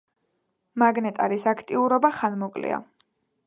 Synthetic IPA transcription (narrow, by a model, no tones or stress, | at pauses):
maɡnɛt̪ʼaɾisakʰt̪ʼiuɾɔbaχanmɔkʼlḭa̰